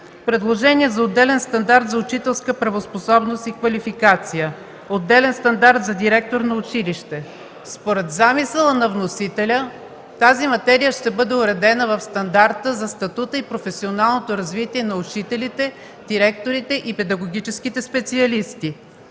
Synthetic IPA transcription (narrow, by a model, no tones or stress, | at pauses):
pɾɛd̪lˠoʒɛniɛzɐod̪ːɛlɛnst̪ɐnd̪aɾt̪zɐʊt͡ʃit̪ɛlˠskəpɾɐvosposɔbnost̪ikvɐlifikat̪sijə | od̪ːɛlɛnst̪ɐnd̪aɾt̪zɐd̪iɾɛk̚t̪oɾnɐʊt͡ʃiliʃt̪ɛ | spoɾɛt̪zamisəlˠənɐvnosit̪ɛlʲə | t̪azimɐt̪ɛɾijəʃt̪ɛbɤd̪ɛʊɾɛd̪ɛnəvɐfst̪ɐnd̪aɾt̪əzɐst̪ɐt̪ut̪əipɾofɛsionalˠnot̪oɾɐzvit̪iɛnɐʊt͡ʃit̪ɛlit̪ɛ | d̪̥iɾɛk̚t̪oɾit̪ɛʔipɛd̪ɐɡoɡ̟it͡ʃɛsk̟it̪ɛspɛt̪siɐlist̪i